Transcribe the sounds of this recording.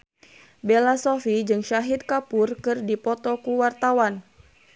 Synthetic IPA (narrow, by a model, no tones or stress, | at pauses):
belasofid͡ʒɨŋʃaɦit̪̚kapurkɨrdipɔt̪ɔkuwart̪awan